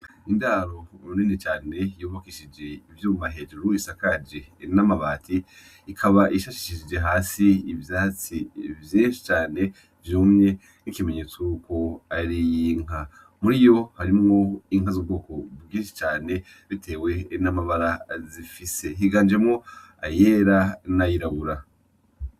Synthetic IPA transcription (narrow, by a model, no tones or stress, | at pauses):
indaɾo̞umuninit͡ʃaːne̞joːβakiʃid͡ʒe̞ivjuːmaɦe̞d͡ʒuɾuisakad͡ʒenamaβaːtʰiː | kʰaβaʔiʃaʃi̥ʃiʃid͡ʒe̞ɦaːsiːvjat͡sivjiːnʃi̥t͡ʃaːne̞ | vjoːmɲe̞ | nikime̞ɲe̞ːt͡souko̞aɾijiŋ̥a | muɾijo̞haɾimŋoiŋ̥azubɡo̞ːko̞bɡiːnʃi̥t͡ʃaːne̞ | βitʰe̞ːwe̞namaβaɾazifise̞ɦiɡaːnd͡ʒe̞mŋo | a̰jeːɾanajiɾaβuɾa